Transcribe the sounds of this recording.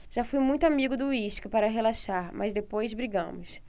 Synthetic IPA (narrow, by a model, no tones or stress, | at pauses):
ʒ̥afujmũj̃t̪ʊamiɡʊd̪ʊiʃkɐpaɾɐɦelaʃaɾmʔɐzd̪epojzbɾiɡɐ̰̃mʊs